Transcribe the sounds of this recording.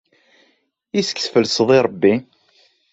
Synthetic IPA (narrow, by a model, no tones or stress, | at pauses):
isə̥kθfəlsðˤiɾˤəbːi